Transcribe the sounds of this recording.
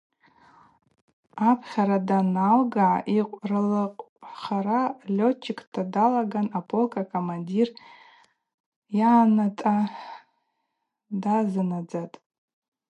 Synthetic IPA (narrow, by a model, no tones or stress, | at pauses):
apʰχʲaɾadanalɡaʕa̰ʔiqʷʼrɨlaqʼ | χaɾalʲo̞t͡ʃʰɪkʼʰtʰadalaɡanapʰʼolkʼakʰʼomandir | janatʼa | dazɨnad͡zatʼ